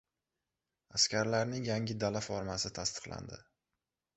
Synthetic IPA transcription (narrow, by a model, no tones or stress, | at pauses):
askʲaɾlaɾnɪŋjaŋʲɪd̪alafɒɾmasɪt̪ʰast̪ɨ̥qlˠa̰nd̪ɪ̰